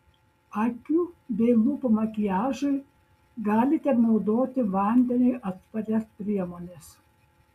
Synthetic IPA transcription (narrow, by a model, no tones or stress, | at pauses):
ɑkʲuːbʲɛɪmuːpɐmɐkʲɪjæːʒɐɪ | ɡɑːlʲɪt̪ʲɛnɒʊd̪oːt̪ʲɪʋɐˑnʲd̪ʲɛnʲɪɪʔɐt̪pɐɾʲɛspʲɾʲiɛmoːnʲes